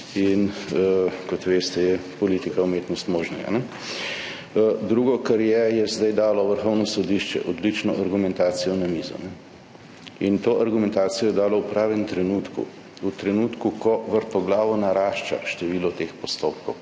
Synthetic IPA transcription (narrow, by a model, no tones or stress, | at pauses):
in | kɔt̪ʋeːst̪ɛjɛpɔliːt̪ikaumeːt̪nɔst̪moːʒnɛɡa̰nɛ | d̪ɾuːɡɔkaɾjɛjɛzd̪ajd̪aːlɔʋəɾxɔwnɔsɔd̪iʃt͡ʃɛ̰ʔɔd̪lit͡ʃnɔʔaɾɡumɛnt̪aːt̪sijɔnamiːzṵnɛ | int̪oːʔaɾɡumɛnt̪aːt̪sijɔjɛd̪aːlɔwpɾaːʋɛnt̪ɾɛnut̪kṵ | ut̪ɾɛnuːt̪kukɔʋəɾt̪ɔɡlaːʋɔnaɾaːʃt͡ʃa̰ʃt̪ɛʋiːlɔt̪eːxpɔst̪op̚kɔw